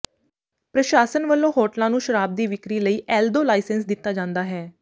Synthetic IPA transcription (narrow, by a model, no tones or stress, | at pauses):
pɾəʃaːsənʋəlːõːɦɔːʈlãːnũːʃəɾaːb̚d̪iːʋɪkɾiːləiːʔɛːld̪oːlaːɪsənsd̪ɪt̪ːaːd͡ʒãːnd̪aːɦɛː